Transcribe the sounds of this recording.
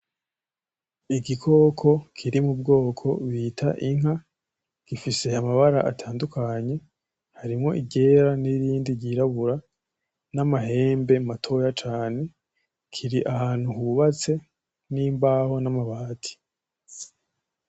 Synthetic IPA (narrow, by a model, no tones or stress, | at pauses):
iɡikʰo̞kʰo̞kʰiɾimub̚ɡo̞ːkʰo̞βitʰa̰ʔiŋ̥ɦa | ɡ̥ifise̞amaβaɾa̰ʔatʰaːndukaɲe̞ | haɾimŋo̞̰ʔiɟe̞ːɾaniɾiːndiɟiɾaβuɾa | namaɦe̞ːmbe̞matʰo̞jat͡ʃaːne̞ | kʰiɾiʔahaːn̥huhuβat͡se̞ | niːmbaːho̞namaβaːtʰi̥